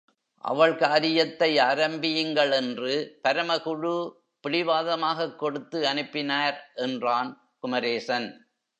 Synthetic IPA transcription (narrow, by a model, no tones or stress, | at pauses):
ʔɐ̰ʋɐɭkaːɾɪjɐt̪ːɐɪaːɾɐmbɪjɯŋɡɐɭɛndrɯpɐɾɐmɐɣɯɻu | pɪɭɪʋaːðɐmaːɣɐkːɔɽɯt̪ːɯɐnɯpːɪnaːɾʔɛndraːn | kʊmɐɾeːsɐn